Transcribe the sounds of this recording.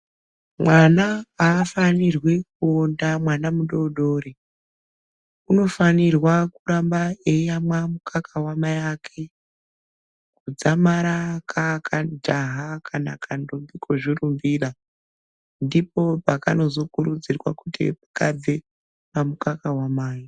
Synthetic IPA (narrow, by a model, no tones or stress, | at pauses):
mwanaaːfanirwek̚uondamwanamuɗo̞ɗore | uno̞fanirwakuɾambaejamwamukʰakʰawamajakʰe̞ | kud͡zamaɾakʰakʰad͡ʒaɦakʰana̰kʰandombikʰoʐirumbiːɗa | ndipopakano̞zo̞kuɾud͡zirwakutḭpukabe | mamukakawamaːji